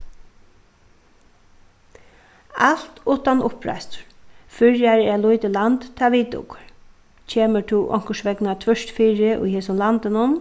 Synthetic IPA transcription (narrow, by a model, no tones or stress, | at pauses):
al̥t̪ʊːt̪anʊpɾa̰jst̪ʊ̥ɹfʏɹjaɾɛːlʊjt̪ɪlant̪t̪ʰːaʋiːt̪ʊ̰kʊɹ | cʰeːmətʰuʔɔ̰ŋ̥kəʃʋɛknat̪ʰvœʂt̪fiːɹɪʔʊ̰jɦɛːsʊmlant̪ɪnʊn